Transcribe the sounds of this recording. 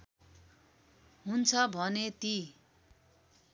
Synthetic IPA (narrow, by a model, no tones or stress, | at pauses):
ɦunt͡sʰʌbʱʌnet̪i